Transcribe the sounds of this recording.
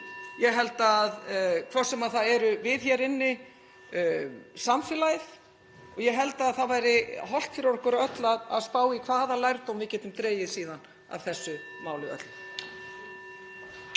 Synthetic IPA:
jɛɦɛlt̪aaðkʰvɔr̥sɛmaðθaðɛɾʏvɪðçɛɾɪnːɪ | samfɪːlajð | ɔɣjɛɦɛlt̪aðθaðvajɾɪɦɔl̥t̪fɪɾanɔhkʏɾaœt̪laða̰ðspaːwikʰv̥aːðalajɾt̪owmvɪcɛːt̪ɪmt̪ɾeːjɪsiːðan | a̰vθɛsːʏ | maːwlʏœ̰t̪l̥

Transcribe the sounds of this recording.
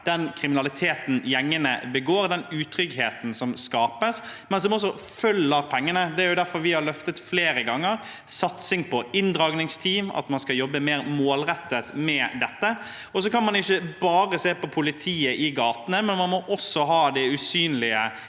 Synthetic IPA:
d̪̥ɛnkʰɾɪmɪnɑlɪt̪ʰeːt̪n̩jɛŋːənə̰bəɡoːɾd̪ɛnʉːt̪ʰɾʏɡheːt̪n̩sɔmskɑːpəsmɛnsdɔmɔs̬ːɔ | fœlːəɾpʰɛŋːənəd̪ɛæɾjʊd̪æɾfɔɾʋɪhɑɾlœft̪ət̪fleːɾəɡɑŋːəɾ | sɑt̪sɪŋpʰɔɪnd̪ɾɑːɡnɪŋst̪ʰiːmɑ̰t̪mɑnskɑjɔbːəmeːɾmoːlɾɛt̪ːət̪mɛd̪ɛt̪ːə | ɔsɔkɑnmɑnɪçːəbɑːʁəseːpɔpʰʊlɪt̪ʰiːəʔɪɡɑːt̪nəmɛnmɑnmɔʔɔsɔɦɑːd̪ɛʉsyːnlɪə

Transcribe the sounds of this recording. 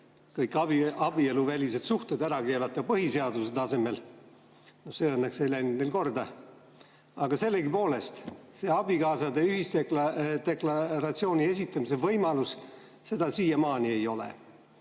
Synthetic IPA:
kɤjkːˑɑbiɑb̥ie̞luvælʲise̞d̪̥suht̪ed̪æɾɑke̞ːlɑt̪ːˑɑpɤɦise̞ɑd̪use̞d̪̥ɑse̞me̞l | no̞hseːɤnːekselæjnud̪nelko̞rd̪ɑ | ɑɡ̥ɑse̞lːe̞ɡipo̞ːle̞st̪se̞ːɑb̥ikɑːsɑd̪eyhist̪ekt̪e̞klɑɾɑt̪sio̞ːnʲie̞sit̪ˑːɑmis̬evɤjmɑlus | se̞d̪ɑsiːjɑmɑːnie̞jo̞lḛ

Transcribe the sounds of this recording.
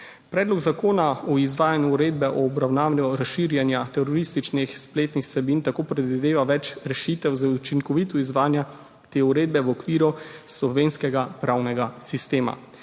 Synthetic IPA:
pɾɛːd̪lɔɡzakoːnaɔizʋaːjanjuuɾeːd̪bɛʔɔːbɾawnaːʋlʲjɔɾasʃiːɾjɛnjat̪ɛɾɔɾist̪it͡ʃnixspleːt̪nixsɛbint̪akoːpɾɛd̪ʋid̪eːʋaʋɛt͡ʃɾɛʃit̪ɛwzaut͡ʃiŋkɔʋit̪ɔizʋaːnja | t̪eːuɾeːd̪̚bɛwɔkʋiːɾuslɔʋeːnskɛɡapɾawnɛɡasist̪eːma̰

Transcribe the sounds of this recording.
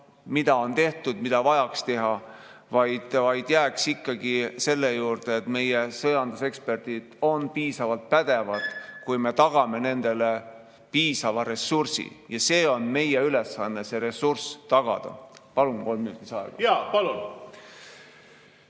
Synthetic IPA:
mid̪̥ɑo̞nt̪e̞ht̪ud̪mid̪̥ɑvɑjɑkst̪e̞ɦɑ | vɑjd̪̥vɑjd̪̥jæːksikːɑɡ̥ise̞lːe̞juːrd̪̥eet̪me̞jesɤjɑnd̪̥use̞kspe̞rd̪̥id̪̥o̞npiːsɑvɑlt̪̚pæd̪e̞vɑlt̪ˑkujme̞t̪ɑɡ̥ɑme̞ne̞nd̪̥e̞le | piːsɑvɑɾe̞sːursḭjɑse̞ːo̞nme̞jeyle̞sːɑnːese̞ɾe̞surst̪ɑɡ̥ɑ̰d̪̥ɑ̰pɑlunko̞lmːinut̪ːisɑḛɡ̥ɑ̰jɑːpɑlun

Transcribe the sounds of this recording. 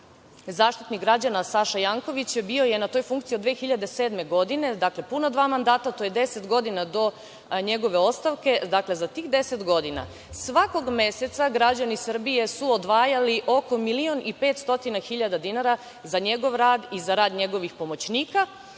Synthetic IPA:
zaːʃt̪it̪niɡɾad͡ʑanasaʃajaːŋko̞ʋit͡ɕbio̞je̞nat̪o̞ːjfuŋkt̪iod̪ʋexiʎad̪e̞seːd̪me̞ɡo̞d̪ine̞d̪akle̞punod̪ʋaːmand̪aːt̪at̪oje̞d̪e̞se̞t̪ɡo̞d̪inad̪o̞ | ɲe̞ɡo̞ʋe̞o̞st̪aʋke̞d̪akle̞zat̪iːɣd̪e̞se̞t̪ɡo̞d̪ina̰ | sʋako̞ɡme̞se̞t̪saɡɾad͡ʑanisr̩bije̞suod̪ʋaːjaliʔo̞ko̞milio̞nipet̪st̪o̞t̪inaxiʎad̪ad̪inaɾa | zaɲe̞ɡo̞ʋɾaːd̪izaɾaːd̪ɲe̞ɡo̞ʋixpo̞mo̞t͡ɕniːka

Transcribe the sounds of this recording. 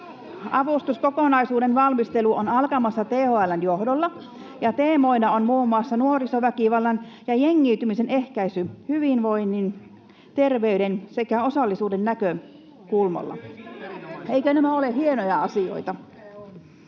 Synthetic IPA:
ɑʋust̪uskokonɑisuːdenʋɑlmist̪eluʔonɑlkɑmɑsːɑt̪eːhoælːænjohdolːɑ | jɑt̪eːmoinɑonmuːmːuɑsːɑnuorisoʋækiʋɑlːɑnjɑjeŋːiːt̪ymisenehkæisyhyʋinʋoinːin | t̪erʋeyɾensekæosɑlːisuːdenːækø | kulmo̰lːɑ̰ | eikønæmæolehienojɑɑsio̰it̪ɑ

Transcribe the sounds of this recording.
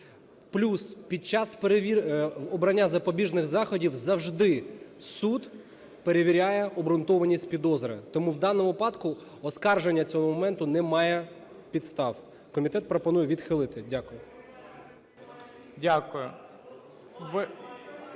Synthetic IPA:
plʲuspʲid̪̚t͡ʃɑspeɾeʋʲiɔbɾɐnʲːazɐpɔbʲiʒnɪɣzɑxɔdʲiwzɐwʒd̪ɪsud̪ | peɾeʋʲiɾʲajɛɔbɾʊnt̪ɔʋɐnʲisʲtʲpʲid̪ɔzɾɐ̰t̪ɔmuwd̪ɑnɔmʊpɑd̪kʊ | ɔskɑrʒenʲːɐt͡sʲɔɦɔmɔmɛnt̪ʊnɛmɑjɛ | pʲid̪st̪ɑw | kɔmʲit̪ɛt̪pɾɔpɔnujɛʋʲid̪xɪlˠɪt̪ɪdʲakʊjʊ | dʲakʊjʊ | ʋɪ

